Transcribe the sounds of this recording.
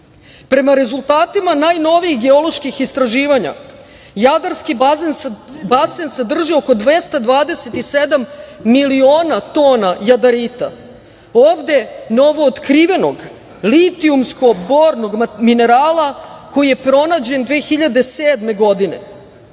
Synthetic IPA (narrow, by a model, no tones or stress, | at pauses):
pɾe̞maɾe̞zulˠt̪aːt̪imanaːjno̞ʋiixɡe̞olo̞ʃkixist̪ɾaʒiːʋaɲa̰ | jad̪aɾskienbasensed̪r̩ʒio̞ko̞d̪ʋest̪ad̪ʋaːd̪e̞set̪ised̪amːilioːnat̪oːnajad̪aɾiːt̪a̰ | oːvd̪e̞no̞ʋo̞ːt̪kɾiʋe̞no̞ɡ | lit̪iumsko̞boːɾno̞ɡmine̞ɾaːlˠako̞jije̞pɾo̞naːd͡ʑe̞nd̪ʋeːxiʎad̪e̞seːd̪me̞ɡo̞d̪ine̞̰